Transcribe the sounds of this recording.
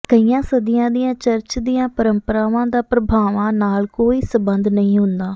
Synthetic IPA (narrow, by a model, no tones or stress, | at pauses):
kəiːjãːsəd̪ɪjãːd̪ɪjãːt͡ʃəɾt͡ʃd̪ijãːpəɾəmpəɾaːʋãːd̪aːpɾəbʱaːʋãːnaːlkoːiːsəbənd̪nəɦĩːɦʊnd̪aː